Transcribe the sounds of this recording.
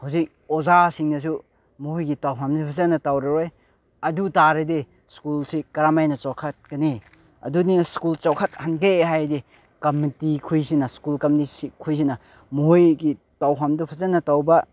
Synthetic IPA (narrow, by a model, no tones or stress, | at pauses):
huwzik̚ozasiŋnɐs̬u | muhojɡitawɦʰamdɐpʰɐzɐnɐtawɾɐɾoj | ɐdutaɾɐde | skulsikɐɾamajnɐt͡ʃawkʰɐt̚kɐne | ɐ̰duniskult͡ʃawkʰɐt̚hanɡeeɦajdi | kɐmitikʰujs̬inɐskulkɐmitisikʰujs̬inɐ | moɦojɡi | tawpʰamdɐpʰɐzɐnɐtawbɐ